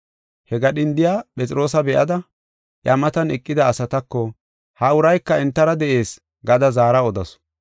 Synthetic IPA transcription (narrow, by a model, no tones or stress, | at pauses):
hɛɡɐɗɪnd̪ɪjaːpʼɛt͡sʼɪɾo̞ːsɐbɛʔɐ̰d̪ɐ | ʔjɐmɐt̪ɐnɛkʼːɪd̪ɐːsɐt̪ɐkːɔ | hɐʊɾɐjkːɐɛnt̪ːɐɾɐd̪ɛʔe̞ːs | ɡɐd̪ɐzaːɾɐɔd̪ɐ̰s